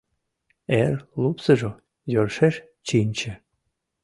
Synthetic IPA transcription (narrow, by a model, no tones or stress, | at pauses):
erlupsəʒo | jørʃeʃ | t͡ɕinʲt͡ɕĕ